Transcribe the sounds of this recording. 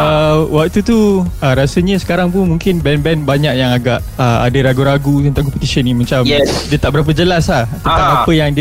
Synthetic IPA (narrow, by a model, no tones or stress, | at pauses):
əwak̚t̪ut̪uəɾasəɲə̃sə̥kaɾaŋp̬ʊnmuŋkɪnbɛnbɛnbaɲaʔjaŋaɡaʔ | əa̰dəɾaɡuɾaɡut̪ənt̪ãŋkɔpət̪isənĩmãt͡ʃamdiət̪aʔbəɾap̬əd͡ʒəlaslaht̪ənt̪ãbəɾapəjaŋdi